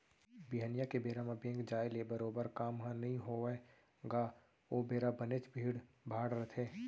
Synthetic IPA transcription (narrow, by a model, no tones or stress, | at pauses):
biɦənjakebeːɾamabẽːŋɡd͡ʒaːjlebəɾoːbəɾkaːmɦãnəɦĩɦo | ɡaː | oːbeːɾabənet͡ʃbʱiːɽ | bʱaːɽɾət̪ʰeː